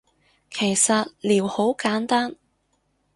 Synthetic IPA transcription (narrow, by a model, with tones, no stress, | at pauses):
kʰe˨˩jsɐ˨t̚liː˨˩who˨˥wkaː˨˥nt̪aː˥n